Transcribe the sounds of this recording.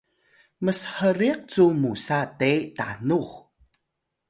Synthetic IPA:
məsəhəɾiq̚t͡sumusatetanux

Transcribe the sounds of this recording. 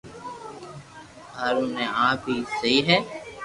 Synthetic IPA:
haːɾunẽãːpisɐiɦɛː

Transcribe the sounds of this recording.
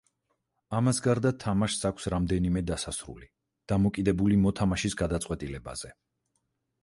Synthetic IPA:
amasɡaɾd̪at̪ʰamaʃsakʷʰsɾamd̪ɛnimɛd̪asasɾṵli | d̪̥amɔkʼid̪ɛbulimɔt̪ʰamaʃisɡad̪at̪sʼqʼwɛt̪ʼilɛba̰z̥ɛ

